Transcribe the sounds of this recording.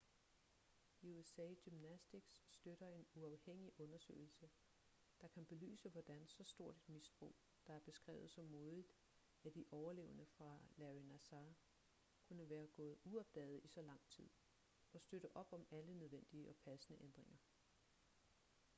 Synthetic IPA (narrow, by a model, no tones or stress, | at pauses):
iuesɛ̰ːɡ̥ymnæsd̥iɡ̥sːd̥øɾ̥ɐe̝nuɑ̈ʊheŋ̰iʔɔ̽nɐsø̰ːɪl̩sə | d̥ɑ̈kʰænb̥e̝ly̰ːsəʋɒd̥ænsɒ̽sd̥o̝ɐ̰d̥e̝d̥misb̥ʁo̝̰ː | d̥ɑ̈æɐb̥e̝sɡ̥ʁɛ̰ːʊð̩ˠsɒ̽mːo̝ːðˠid̥ | æd̥iʔɒʊɐle̝̰ːʊənəfʁɑ̈læʁinæsɑ | kʰunəʋæːɐɡ̥ɔ̰̽ːð̩ˠuɒ̽b̥̚d̥ɛ̰ːð̞̩ˠisɒ̽lɑ̈ŋ̰t͡sʰið̰ˠ | ɒ̽sd̥øɾ̥əʔɒ̽b̥ɒ̽mælənøð̞ˠʋen̰d̥iəɒ̽pʰæsənəʔend̥ʁeŋɐ